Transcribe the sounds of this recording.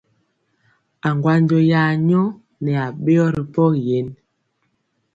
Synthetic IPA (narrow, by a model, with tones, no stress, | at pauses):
a˨ŋɡwa˦n˦d͡ʒɔ˨jaː˨ɲɔ˦ | nɛ˨a˨ɓe˦ɔ˦ɾi˨pɔ˦kje˨˦n